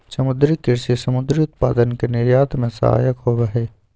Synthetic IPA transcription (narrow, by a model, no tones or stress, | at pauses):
sɐmʊd̪ɾikɪɾsesɐmʊd̪ɾiʊt̪paːd̪ənkenɪɾjaːt̪mẽsɐ̰ɦa̰ːjəkɦoːʋɐɦeː